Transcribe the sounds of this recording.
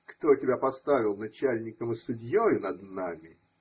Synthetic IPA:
kt̪otʲɪbʲapɐst̪avʲɪlˠnɐt͡ɕælʲnʲɪkəmɨsʊdʲjojʊnɐd̪namʲɪ

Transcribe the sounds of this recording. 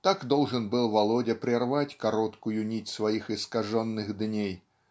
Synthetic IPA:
t̪akd̪olˠʐɨnbɨlˠvɐlˠɔdʲɐpɾʲɪrvatʲkɐɾɔt̪kʊjʊnʲitʲsvɐjixɨskɐʐɔnːɨɣd̪nʲej

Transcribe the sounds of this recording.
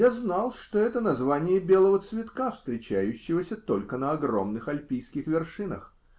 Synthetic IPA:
jaznɑlˠʂt̪o̞ɛt̪ənɐzvanʲɪjəbʲe̞lˠəvət̪svʲɪt̪kafst̪ɾʲɪt͡ɕæjʉɕːɪvəsʲət̪o̞lʲkənəɐɡro̞̰mnɨxɐlʲpʲijskʲɪxvʲɪrʂɨnə̰x

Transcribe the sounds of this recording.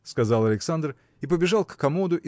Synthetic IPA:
skɐzalˠɐlʲɪksand̪r | ip̬əbʲɪʐalˠkːɐmod̪ʊʔi

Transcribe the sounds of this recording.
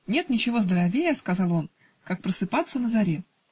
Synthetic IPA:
nʲe̞t̪nʲɪt͡ɕɪvo̞zd̪əɾɐvʲejəskɐzɑlˠo̞n | kak̚pɾəsɨpat̪sːənəzɐɾʲe

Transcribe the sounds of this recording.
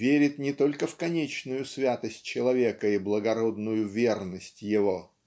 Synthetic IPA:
vʲeɾʲɪt̪nʲɪt̪o̞lʲkəfkɐnʲet͡ɕnʊjʊsvʲat̪əsʲt̚ʲt͡ɕːɪlˠɐvʲekəiblˠəɡɐɾo̞d̪nʊjʊvʲe̞rnəsʲtʲjɪvo̞

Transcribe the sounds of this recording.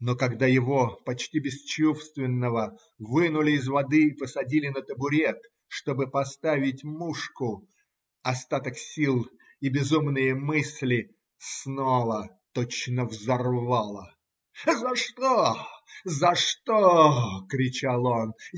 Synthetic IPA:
nokɐɡd̪ajɪvo̞pɐt͡ɕtʲibʲɪst͡ɕufst̪vʲɪnːəvə | vɨnʊlʲɪːzvɐd̪ɨɪpəsɐdʲilʲɪnət̪əbʊɾʲet̪ | ʂt̪o̞bɨpɐst̪avʲɪtʲmuʂkʊ | ɐst̪at̪əksʲilˠ | ibʲɪzumnɨjəmɨsʲlʲɪ | snovə | t̪ot͡ɕnəvzɐrvalˠə | zɐʂt̪o | zɐʂt̪okɾʲɪt͡ɕalˠon

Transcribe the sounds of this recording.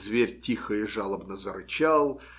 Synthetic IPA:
zvʲerʲtʲixəɪʐalˠəbnəzəɾɨt͡ɕalˠ

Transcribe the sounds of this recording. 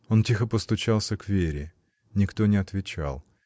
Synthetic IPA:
o̞ntʲixəpəst̪ʊt͡ɕalˠsʲəkvʲeɾʲɪ | nʲɪkt̪o̞nʲɪɐt̪vʲɪt͡ɕa̰lˠ

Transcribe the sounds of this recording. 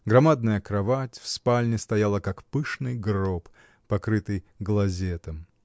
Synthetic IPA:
ɡɾɐmad̪̚nəjəkɾɐvatʲfspalʲnʲɪst̪ɐjalˠəkakpɨʂnɨjɡrop | pɐkɾɨt̪ɨjɡlˠɐzʲet̪əm

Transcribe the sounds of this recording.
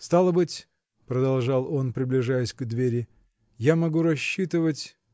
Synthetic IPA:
st̪alˠəbɨtʲ | pɾəd̪ɐlˠʐɑlˠo̞npɾʲɪblʲɪʐajɪsʲɡd̪vʲeɾʲɪ | jamɐɡuɾɐɕːit̪ɨvətʲ

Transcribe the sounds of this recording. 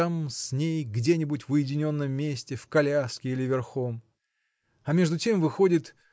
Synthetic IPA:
amsʲnʲejɡdʲenʲɪbutʲvʊjɪdʲɪnʲo̞nːəmːʲesʲtʲɪfkɐlʲaskʲɪilʲɪvʲɪrxo̞m | ɐmʲe̞ʐd̪ʊtʲemvɨxo̞dʲɪt̪

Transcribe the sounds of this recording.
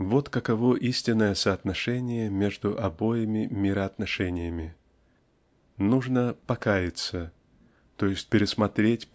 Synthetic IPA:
vo̞t̪kəkɐvoʔisʲtʲɪnːəjəsɐːt̪nɐʂɛnʲɪjəmʲe̞ʐd̪ʊʔɐbo̞jɪmʲɪmʲɪɾəɐt̪nɐʂɛnʲɪjəmʲɪ | nuʐnəpɐkajɪt̪sə | t̪o̞jɪsʲt̚ʲpʲɪɾʲɪsmɐt̪ɾʲetʲ

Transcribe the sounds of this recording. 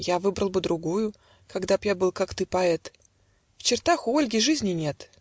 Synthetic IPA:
javɨbɾəlˠbɨd̪ɾʊɡujʊ | kɐɡd̪apjabɨlˠkakt̪ɨpɐɛt̪ | ft͡ɕɪrt̪axʊolʲɡʲɪʐɨzʲnʲɪnʲe̞t̪

